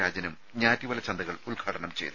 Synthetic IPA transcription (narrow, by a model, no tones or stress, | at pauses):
aːd͡ʑɐnum | ɲaːtːiʋɐlɐt͡ɕɐnd̪ɐɣɐɭulɡʰʱaːʈɐɳɐmt͡ɕḛjt̪